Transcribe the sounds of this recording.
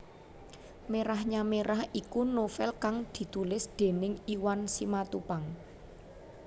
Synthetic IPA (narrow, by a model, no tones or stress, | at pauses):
meɾahɲameɾʔahikunofɛlkaŋd̪̥i̤t̪ulɪsd̪̥e̤nɪŋiwansimat̪upaŋ